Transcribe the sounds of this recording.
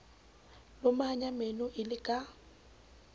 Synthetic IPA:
lʊmaɲamenʊʔɪlɪkʼa

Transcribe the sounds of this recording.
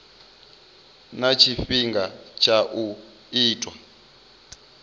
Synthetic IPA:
nat͡ʃʰifiŋɡat͡ʃʰaʔu | iːtʼwa

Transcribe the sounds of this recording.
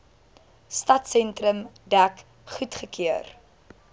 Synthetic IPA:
stɐtsɛntɾəmdæk | χutχəkʰiər

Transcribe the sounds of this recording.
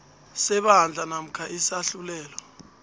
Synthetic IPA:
sɛɓaɦnd͡ɮʱanam̩kʰaʔisaɬulɛːlɔ

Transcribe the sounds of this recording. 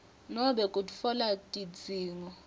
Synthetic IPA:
nɔɓɛkʼutʼu̥fɔlatʼid͡zʱiːŋɔ

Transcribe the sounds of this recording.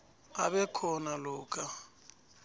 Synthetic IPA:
aβɛkʰɔnalɔːkʼa

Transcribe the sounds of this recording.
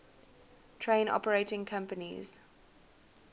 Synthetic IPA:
tʰɹẽɪ̃nɔ̰pəɹeɪtɪ̃ŋkʰãmpənḭz̥

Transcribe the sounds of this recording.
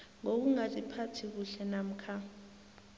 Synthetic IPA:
ŋok̬uŋazʼipʰatʰik̬uɬɛnam̩kʰa

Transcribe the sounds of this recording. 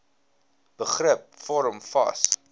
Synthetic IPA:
b̥əχrəp̚fɔɾəmfɐ̰s

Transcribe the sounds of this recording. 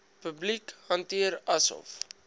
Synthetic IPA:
pəblikhɐntiəɾɐsɔ̰f

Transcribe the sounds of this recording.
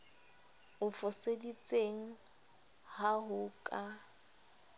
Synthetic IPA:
ʊfʊsedit͡sʼeŋ̩ | haɦʊkʼa

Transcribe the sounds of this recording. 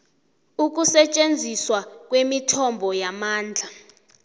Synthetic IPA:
uk̬usɛt͡ʃʼend͡zʱiswak̬ʼwemitʰɔmbʱɔjamaːnd͡ɮʱa

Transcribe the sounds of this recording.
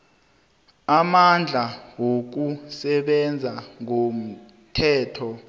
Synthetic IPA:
amand͡ɮʱawok̬usɛɓɛnd͡zʱaŋom̩ | tʰɛːtʰɔ

